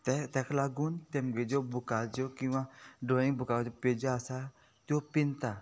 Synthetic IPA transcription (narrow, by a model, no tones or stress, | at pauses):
t̪ɛt̪ɛkʰlaɡunt̪emɡed͡ʒobukald͡ʒokĩwãɖoĩŋbukad͡ʒoped͡ʒaːsa | t̪opint̪a